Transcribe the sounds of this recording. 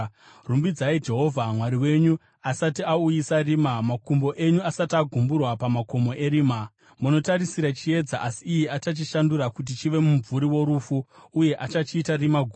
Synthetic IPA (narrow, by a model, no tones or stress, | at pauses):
rumbid͡zaid͡ʒe̞ɦo̞vʱamwaɾiwe̞ɲu | asatiaujisariːmamakumbo̞ʔe̞ɲuasatiaɡʱumburwapamako̞mo̞ʔe̞ɾiːma | muno̞taɾisiɾat͡ʃie̞d͡zaʔasiːjeat͡ʃat͡ʃiʃanduɾakut̬it͡ʃiʋe̞muɱvuɾiwo̞ɾufuːje̞ʔat͡ʃat͡ʃiːtarimaɡʱu